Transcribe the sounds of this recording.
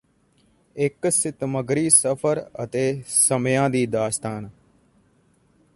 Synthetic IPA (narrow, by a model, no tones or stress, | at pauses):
ɪksɪt̪məɡɾiːsəpʰəɾə̰t̪eːsəmjãːd̪iːd̪aːst̪aːn